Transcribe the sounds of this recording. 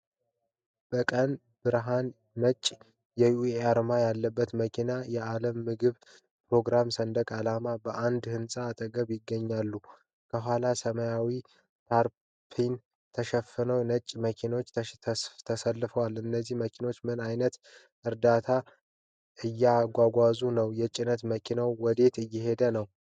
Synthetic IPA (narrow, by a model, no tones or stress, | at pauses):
b̥əkʼən | b̥ɨɾɦanː | ət͡ʃʼ | jɛjueaɾmajalːəbːət̪məkʰinajɛaləmːɨɡɨβ | pɾo̞ɡɾamsənd̪əkʼalamabəʔand̪hɨnsʼaːt̪ʼəɡəβjɪɡːəɲːalːu | kʰəɦʷwalasəməjawi | t̪ʰaɾ | pʰin | t̪ʰəʃəfɨnəwnət͡ʃʼːməkʰino̞t͡ʃːʰt̪ʰəsəlːɨfəwalɨnːəzːihməkʰino̞t͡ʃːmɨnajnət̪ | ʔɨɾd̪at̪ʰa | ʔɨjːaɡʷaɡʷazunəwjɛt͡ʃʼːɪnət̪məkʰinawwɔd̪e̞t̪ɨjːɪhe̞d̪ənəw